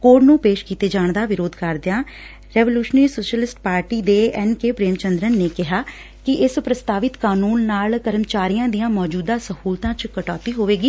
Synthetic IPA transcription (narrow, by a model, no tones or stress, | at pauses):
koːʈnũːpeːʃkiːt̪eːd͡ʒaːɳd̪aːʋɪɾoːd̪kəɾd̪ejãː | ɾɛːʋoljuːʃnəɾiːsoːʃəlɪsʈpaːɾʈiːd̪eːɛnkeːpɾeːmt͡ʃənd̪ɾənːeːkɪɦaː | kɪʔɪspɾəst̪aːʋɪt̪kaːnuːnːaːlkəɾəmt͡ʃaːɾijãːd̪ijãːmɔːd͡ʒuːd̪ãːsəhuːlt̪ãːt͡ʃkəʈaːt̪iːɦoːʋeːɡiː